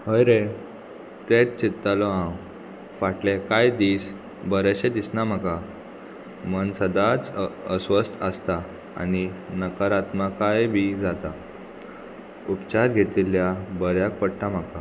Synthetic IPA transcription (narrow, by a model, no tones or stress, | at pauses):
ɦəjɾe | t̪et͡st͡ɕit̪ːalɔɦãw | faʈlekajd̪iːs | bəɾəɕed̪isnam̤aka | mənsəd̪at͡səsʋəst̪ʰəst̪a | a̰ninəkəɾat̪makajbʱid͡zat̪a | upt͡ɕaɾɡʱet̪ilːjabəɾjak̚pəɽʈ̪am̤aka